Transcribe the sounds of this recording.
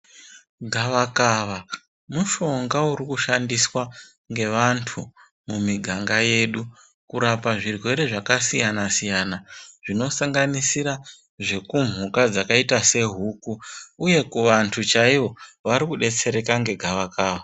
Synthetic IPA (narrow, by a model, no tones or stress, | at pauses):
ɡʱaʋakaʋa | muʃo̞ŋɡauɾikuʃandiswa | ŋɡe̞ʋantʰu | mumiɡʱaŋɡaje̞ːɗu | kuɾapaʐirwe̞ɾe̞ʐakasijanasijanaʐ̥ino̞saŋɡanisiɾa | ʐe̞kum̤ukad͡zakaitase̞ɦukuːje̞kuʋantʰut͡ʃaiʋo̞ʋaɾikuɗe̞t͡se̞ɾe̞kaŋɡe̞ɡʱaʋakaːʋa